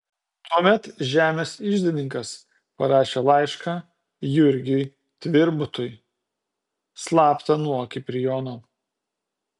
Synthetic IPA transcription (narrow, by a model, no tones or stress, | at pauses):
t̪uɔmʲɛt̪ʒʲæːmʲeːsɪʒʲd̪ʲɪnʲɪŋkɐs | pɐɾɑːʃʲeːlˠɑɪʃkɑ | jʊɾʲɡʲɛj | t̪ʲʋʲɪɾbʊt̪ʊj | slˠɑːpt̪ɐnuɔkʲɪpʲɾʲɪjoːnoː